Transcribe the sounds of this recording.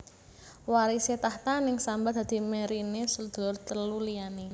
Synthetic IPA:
waɾiset̪aht̪anɪŋsambad̪̥a̤d̪̥i̤meɾinesəd̪̥ɔrt̪əlulijani

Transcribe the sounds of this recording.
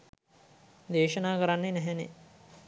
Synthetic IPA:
d̪eːʃənaːkəɾanːenɛɦɛnḛ

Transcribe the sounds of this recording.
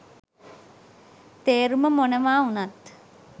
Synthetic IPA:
t̪eːɾuməmonəʋaːunat̪

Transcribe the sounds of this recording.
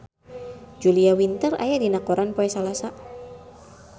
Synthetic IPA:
d͡ʒuliawint̪əra̰jadinakoɾanpoɛsalasa

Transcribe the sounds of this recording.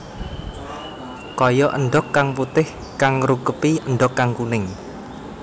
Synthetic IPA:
kɔjɔʔə̰ɳɖɔkːaŋput̪ɪh | kaŋɾukəpiənɖɔkːaŋkunɪŋ

